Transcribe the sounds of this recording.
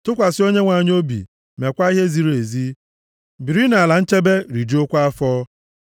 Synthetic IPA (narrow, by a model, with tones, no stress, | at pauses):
tʊ˦kʷa˨sɪ˦o˦ɲe˦ŋʷa˨ɲ˦o˦bḭ˨ | me˨kʷa˦i˦ɦe˦zi˨ɾe˨zi˦ | bi˨ɾi˦na˨a˨la˨n̩˦t͡ʃe˦be˦ɾi˨d͡ʒi˦o˦kʷa˦fɔː˦